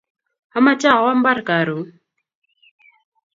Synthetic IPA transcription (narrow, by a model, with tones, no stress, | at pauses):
a˨˦ma˦t͡ʃa˦˨wa˦m̩˦ba˦ɾka˨ɾu˨˦